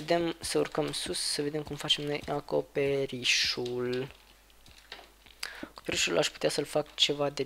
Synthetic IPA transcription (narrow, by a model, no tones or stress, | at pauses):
ed̪e̞msəurkəmsussəve̞d̪e̞mkumfat͡ʃe̞mno̞jako̞pe̞ɾiʃul | ako̞pe̞ɾiʃulʔaʃpu̥t̪easəlfakt͡ʃe̞vad̪e̞